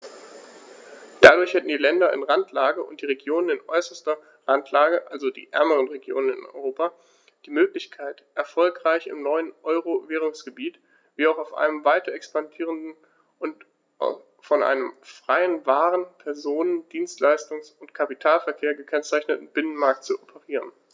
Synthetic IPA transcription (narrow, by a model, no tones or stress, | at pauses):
d̥adʊɐçhɛtn̩diːlɛndɐɪ̰nʁantʰlaːɡəʔʊnt̚d̥iːʁeɡjoːnənɪnʔɔ̰ʏsɐstɐ | ʁantʰlaːɡəʔalzodḭːʔɛ̰ɐməʁənʁeɡjo̰ːnənɪ̰nɔ̰ʏʁoːpa | d̥iːmøːklɪçkʰaɪtʔɛɐfɔlkʁ̥aɪçɪ̰mnɔʏənʔɔʏʁoveːʁ̞ʊŋsɡ̥əbiːt | v̥iːaʊxaʊfʔa̰ɪnəmvaɪtɐɛkspandiːʁ̞əndn̩ | ʔʊnt | fɔnʔa̰ɪnəmfʁ̥aɪənvaːʁənpʰɛɐzoːnənd̥iːnstlaɪstʊŋsʊntkʰapitʰaːlfɛɐkʰeːɐɡəkʰɛnt͡saɪçnətn̩b̥ɪnənmaɐk̚tt͡suɔpʰəʁiːʁ̞ən